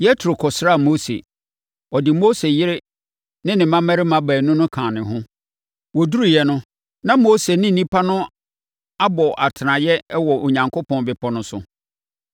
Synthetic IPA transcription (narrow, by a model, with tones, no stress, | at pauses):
jɛ˦tʰɾo˨kʰɔ˨sɾa˦˨mo˦sḛ˨ | ɔ˨dɪ˨mo˦se˨jɪ˦ɾɪ˦ | nɪ̃˦nɪ̃˨mã˦mæ˦ɾɪ˦mã˦bæː˨nʊ̃˦nʊ̃˦kʰãː˨nɪ̃˨ɦʊ̃˦ | wɔ˨du˦ɾu˨jɛ˦nʊ̃˦ | nã˦mo˦se˨nɪ̃˦n̩˨nĩ˦pʰa˦nʊ̃˦ | a˦bɔ˨ʔa˨tʰɪ˨nã˨jɛ˦wɔ˨ʔo˨ɲã˨ŋkʰo˦pʰɔ̃˨nbɪ˨pʰɔ˦nʊ̃˦sʊ˨